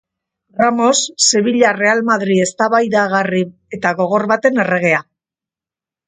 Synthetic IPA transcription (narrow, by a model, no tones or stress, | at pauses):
ramo̞sːe̞βiʎare̞almaðɾie̞st̪aβajðaɣari | e̞t̪aɣo̞ɣ̞o̞ɾβat̪e̞ne̞re̞ɣ̞e̞a